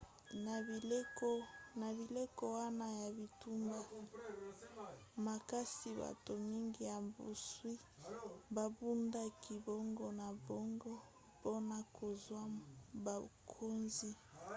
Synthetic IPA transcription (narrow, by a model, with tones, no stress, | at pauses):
na˨bi˨le˦ko˦na˨bi˨le˦ko˦wa˦na˦ja˨bi˨tu˦mba˦ | ma˨ka˦si˨ba̰˨to˨mi˦ŋɡi˨ja˨mbṵ˨swi˦ | ba˨bu˦nda˦kʰi˨bo˦ŋɡɔ˦na˨bo˦ŋɡɔ˦ | po˦na˨kʰo˨zwa˦ba˨kʰo˦nzi˦